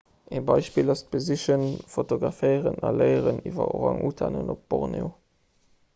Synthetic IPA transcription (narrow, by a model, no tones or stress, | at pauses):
ebɑɪʃpiːlɑst̚b̥əziʃənfotoɡʁɑfɜɪəʁənɑləɪəʁənivɐoʁɑŋʔuːtʰanənop̚b̥oʁneo